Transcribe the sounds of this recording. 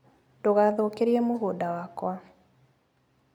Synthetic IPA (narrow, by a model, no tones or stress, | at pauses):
doɣaðokeɾiɛmoɣoːdawakwa